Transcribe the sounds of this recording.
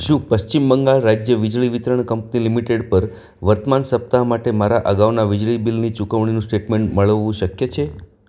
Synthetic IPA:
ʃũpəʃt͡ʃimbəŋɡaɭɾad͡ʒjəʋid͡ʒɭiʋit̪ɾəɳkəmpnilimiʈeɖpəɾ | ʋəɾt̪əmansəp̚t̪amaʈemaɾaʔəɡaʋnaʋid͡ʒɭibilnit͡ʃukəʋɳ̃inũsʈeʈmẽɳʈməɭʋːũʃəkjet͡ʃʰe

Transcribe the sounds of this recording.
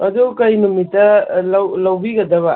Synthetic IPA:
ɐduwkɐjmɐmitːɐlɐwlawbiɡɐdɐβɐ

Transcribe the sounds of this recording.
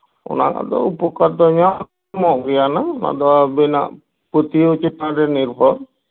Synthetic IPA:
ɔ̰na̰ka̰d̪ɔ̰upɔkaɾd̪ɔɲak | mɔʔɡɛjanana̰d̪ɔbina̰ʔ | put̪ieut͡ʃit̪naɾɛniɾbʱɔɾ

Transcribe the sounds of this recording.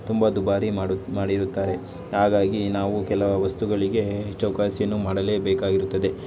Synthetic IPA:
t̪umbɐd̪ubaːɾimaːɽiɾut̪ːaːɾe̞ | haːɡaːɡinaːʋukɛlɐʋɐʋɐst̪uɡɐɭiɡe̞ɦɛt͡ʃːɐwkaːʃjɐnːumaːɽɐle̞ːbɛːkaːɡiɾut̪ːɐd̪e̞

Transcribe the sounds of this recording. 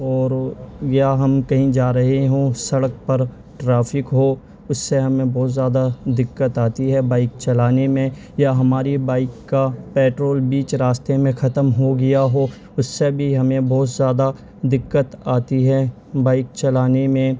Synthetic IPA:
ɔːɾjaɦɐmkɐɦĩd͡ʒaːɾɐɦeɦõsɐɽək̚pɐɾ | ʈɾaːfɪkɦo | ʊsːeɦɐmẽbɔːt̪zjaːd̪ad̪ɪkːət̪aːt̪iɦɛbaːɪk̚t͡ʃɐlaːnemẽ | jaɦɐmaːɾibaːɪkːapɛːʈɾoːlbiːt͡ʃɾaːst̪emẽxɐt̪əmɦoɡɐjaɦo | ʊsːebʱiɦɐmẽbɔːt̪zjaːd̪a | d̪ɪkːət̪aːt̪iɦɛ | baːɪk̚t͡ʃɐlaːnemẽ

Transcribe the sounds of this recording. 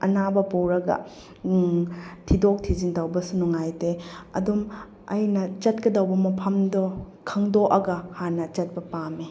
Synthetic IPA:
ɐnabɐpowɾɐɡɐ̰ | tʰidok̚tʰizintɐwbɐsunuŋajteɐ̰dum | ɐjnɐt͡ʃɐt̚kɐdɐwbɐmɐpʰɐmdɔ | kʰɐŋdoʔɐɡɐhanɐt͡ʃɐt̚bɐpame

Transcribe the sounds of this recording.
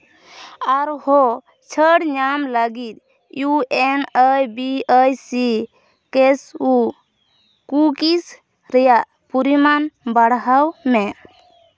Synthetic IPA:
aɾhɔ | t͡ʃʰəɽɲamləɡit̪̚ˀ | juɛnəjbiəjsi | kɛsu | kukis | ɾɛjaʔ | puɾimanbaɽɦawmɛʔ

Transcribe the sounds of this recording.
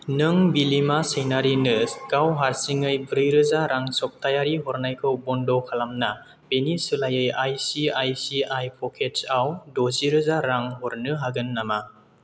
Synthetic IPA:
nɯŋbilimasenaɾinɯɡ̥awɦaɾsiŋɯjbɾɯjɾɯzaɾaŋsɔk̚tʰajaɾiɦɔɾnajkʰɯwbɔndɔkʰalamna | b̥enisɯlajɯjajsiajsiajpʰɔkʰet͡ʃawdoziɾɯzaɾaŋɦɔɾnɯɦaɡɯnːama

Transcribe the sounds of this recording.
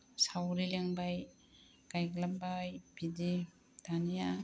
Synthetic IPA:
sawɾileŋbaj | kajɡlabajbidi | tanija

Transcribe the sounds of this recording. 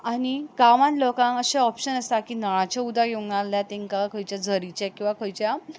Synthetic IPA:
aniɡamãt̪lokãŋəɕeɔpɕənəst̪akiːnəɭ̃ãt͡ɕaud̪ʱaɡenalːjat̪ẽŋkakʰəjt͡ɕjad͡zʱəɾit͡ɕakĩw̃ʋakəjt͡ɕja

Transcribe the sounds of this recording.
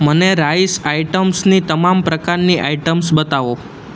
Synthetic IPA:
məneɾaisaiʈəmsnit̪əmampɾəkaɾniʔaiʈəmsbət̪aʋo

